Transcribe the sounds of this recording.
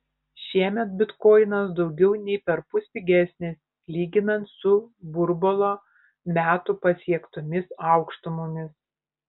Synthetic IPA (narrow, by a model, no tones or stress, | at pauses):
ʃʲiɛmʲɛt̪̚bʲɪt̪kɔːɪnɐsd̪ɒʊɡʲɛʊnʲɛɪpʲɛɾpʊsʲpʲɪɡʲæsʲnʲɪs | lʲiːɡʲɪnɐnt̪sʊbʊɾbɔlˠoː | mʲæːt̪ʊpɐsʲiɛkt̪ʊmʲɪsɑˑʊkʃt̪ʊmʊmʲɪs